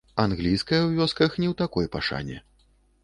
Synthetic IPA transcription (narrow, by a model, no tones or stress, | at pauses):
anɣlʲijskɐjɐwvʲɔskɐxnʲɛwt̪akɔjpa̰ʂa̰nʲɛ̰